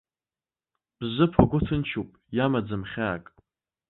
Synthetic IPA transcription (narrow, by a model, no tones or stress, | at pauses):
b̥zʷɨpʰaɡʷʊtʰɨnt͡ʃʰupʼjamad͡zɨmχʲaːkʼ